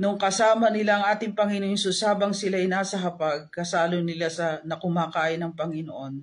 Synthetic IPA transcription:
nʊŋkɐsaːmɐnɪlaʔɐŋʔaːt̪ɪŋpɐŋɪnoʔonsʊsaːbɐŋsɪlaʔɪnaːsɐɦɐpaɡ̚kɐsaːlonɪlasɐnɐkʊmaːkaːʔɪnɐŋpɐŋɪnoʔo̞n

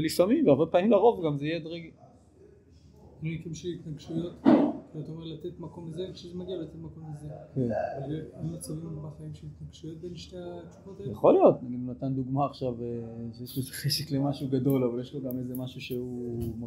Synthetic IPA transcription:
lisamimveaʁbepaːmimlaʁo̞vɡamzejed̪ʁeɡi | nunikimʃelit̪naɡʃujo̞t̪kiat̪aomelat̪et̪mako̞mizeʃezemaɡialat̪et̪mako̞mlezekenalemːat͡sivimbaχaimʃelit̪naɡʃujo̞t̪̚beniʃt̪eat͡ʃu̥votjaχo̞lijo̞tnaɡid̪unat̪and̪uɡmaːχʃaveʃejeʃloezeχeʃeklemaʃuɡado̞lavaljeʃloɡamezemaʃuʃeuma

